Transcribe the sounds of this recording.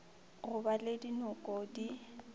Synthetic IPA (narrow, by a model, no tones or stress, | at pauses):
ɣʊbaledinɔkʼodi